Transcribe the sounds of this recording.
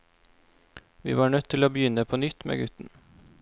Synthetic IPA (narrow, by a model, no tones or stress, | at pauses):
ʋḭːʋɑːɳœt̪ʰːɪloːbəjʏnəpʰoːnʏt̪mḛːɡʉt̪n̩